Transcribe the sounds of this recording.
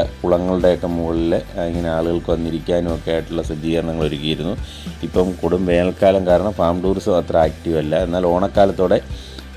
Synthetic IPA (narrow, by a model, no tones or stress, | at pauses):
kuɭɐŋːɐɭuɽe̞jokːemuɣɐɭileiŋːɐneaːɭuɣɐɭkɨʋɐnːiɾikʲːaːnumokːejaːjiʈːuɭːɐsɐd̪iːɣɐɾɐɳɐŋːɐɭo̞ɾukːɐjiɾunːu | ipːɐmkoɽumʋe̞ːnɐlkaːlɐmkaːɾɐɳɐmfaːmɖuːrsoɐt̪raːkʈːiʋɐlːɐenːaːlo̞ːɳɐkːaːlɐt̪ːoːɽe̞